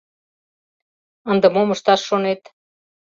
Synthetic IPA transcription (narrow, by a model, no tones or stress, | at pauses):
ənd̪ə̆moməʃt̪ɑʃːonet̪